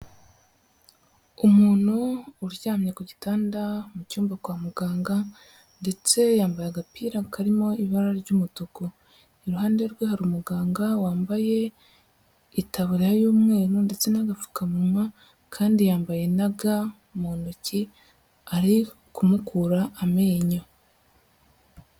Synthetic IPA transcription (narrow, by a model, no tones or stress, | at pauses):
umuːn̥huːɾɟaːmɲekuɟitaːndamucuːmbakwaːmuɡaːŋɡa | nde̞t͡se̞jaːmbajaɡapiːɾakaɾimo̞iβaɾaɾɟumutoko | iɾuɦaːnde̞ɾɡwehaɾumuɡaːŋɡawaːmbaje̞ | itaβuɾiajoːmŋe̞ːɾunde̞t͡se̞naɡafu̥kamumwa | kʰaːndijaːmbaje̞naɡa | moːnuci | aɾi | kumukuɾaːmeːɲo